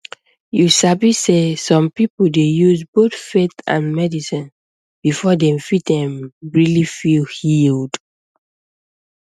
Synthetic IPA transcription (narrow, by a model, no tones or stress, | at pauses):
jusabisesɔ̃mpipodejuzboθfetã̰nmɛdisĩn | b̥ifɔdɛ̃mfit̚dɛ̃mɹilifilhild